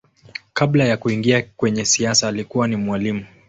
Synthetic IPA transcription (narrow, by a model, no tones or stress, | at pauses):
kablajakuiŋɡiakwɛɲɛsiasaːlikuwanimwalimu